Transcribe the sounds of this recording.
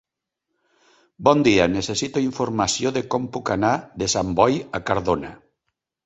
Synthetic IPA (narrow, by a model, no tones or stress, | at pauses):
bɔnd̪ianesesit̪oiɱfoɾmasjoðekompukanaðesambɔjakaɾðona̰